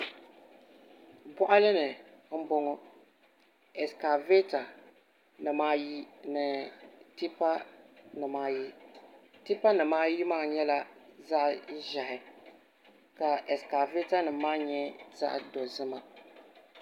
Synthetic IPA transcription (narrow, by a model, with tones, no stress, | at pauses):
bɔ˦ʔa˦lɨ˦nɨ˨˦m̩˦bɔ˦ŋɔ˦ | ɛ˨ska˨ve˦ta˨ | nɨ˨maː˦ji˦nɨ˨ti˦pa˦nɨ˨maː˦ji˦ti˦pa˦nɨ˨maː˦ji˦maː˦˨ɲɛ˦la˦za˦ʔʒa˨hɪ˨ | ka˨ɛ˨ska˨ve˦ta˦nɨ˨maː˦ɲɛ˦za̰˦ʔdo˨zɨ˦ma˨